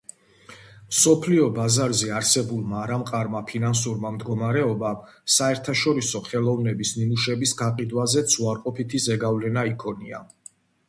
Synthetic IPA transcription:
msɔpʰliɔbazaɾzɛaɾsɛbulˠmaːɾamqʼaɾmapʰinansuɾmamd̪ɡɔmaɾɛɔbasaɛɾt̪ʰaʃɔɾisɔχɛlˠɔvnɛbisnimuʃɛbisɡaqʼid̪wazɛt̪sʰuaɾqʼɔpʰit̪ʰizɛɡavlɛnaikʰɔnia̰

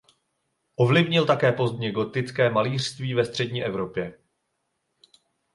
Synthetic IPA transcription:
ʔo̞vlɪvɲɪlt̪akɛːpo̞zd̪ɲɪɡo̞t̪ɪt͡skɛːmaliːr̝̥st̪viːvɛst̪r̝̥ɛdɲiːʔɛvɾo̞pjɛ

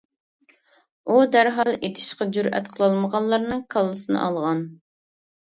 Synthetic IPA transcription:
ud̪æɾɦɑlˠet̪ʰɪ̥ʃqɑd͡ʒyɾɛ̰t̪qʰəlˠɑlˠməʁɑnlːˠɑɾnɨŋkʰɑlˠːɨsɨnɨ̰ʔɑlˠʁɑn

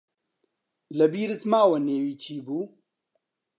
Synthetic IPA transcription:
lɐbiːɾɨt̪maːwɐneːwiːt͡ʃʰiːbuː

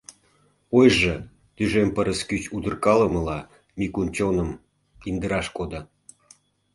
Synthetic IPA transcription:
ojʒɤ | t̪yʒempəɾəskyt͡ɕud̪ə̆rkɑlə̆mə̆lɑ | mikunt͡ɕonəm | ind̪əɾɑʃkod̪ə̆

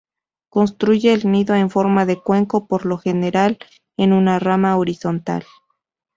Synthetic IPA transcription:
ko̞nst̪ɾuʝe̞ːlniðo̞e̞ɱfo̞ɾmaðe̞kwe̞ŋko̞po̞ɾlo̞xe̞ne̞ɾal | enunaramaoɾiso̞nt̪a̰l

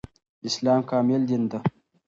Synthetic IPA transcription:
islaːmkaːmild̪ind̪ə

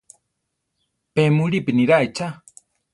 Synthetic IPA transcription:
pemuɾipiniɾajt͡ʃa

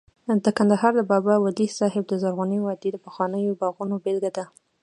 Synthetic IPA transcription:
d̪əkand̪aɦɑɾd̪əbɑbawalisɑɦɪb̚d̪əzaɾɣuniwɑd̪ed̪əpəxwɑnəjobɑɣunobelɡad̪a

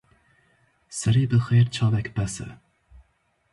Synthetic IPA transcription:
sɨɾiːbɨxeːɾt͡ʃʰɑːvɛkʲbæsɨ̰

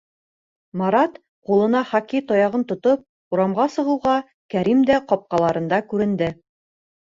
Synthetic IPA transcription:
mɑɾɑt̪ | qulˠɤ̆nɑχɑkit̪ɒjɑʁɤnt̪ŏt̪op̚ | uɾɑmʁɑsɤ̆ʁɤ̆wʁɑ | kæɾimd̪æqɒp̚qɑlˠɑɾɤ̆nd̪ɑkʉɾɘ̆nd̪ɘ

